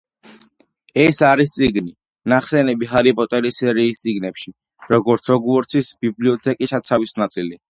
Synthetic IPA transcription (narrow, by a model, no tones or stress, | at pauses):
ɛsaɾist̪sʼiɡni | naχsɛnɛbiχaɾipʼɔt̪ʼɛɾisɛɾiːst̪sʼiɡnɛpʃi | ɾɔɡɔɾt̪sʰɔɡwɔɾt̪sʰisbibliɔt̪ʰɛkʼisat̪sʰavisnat̪sʼili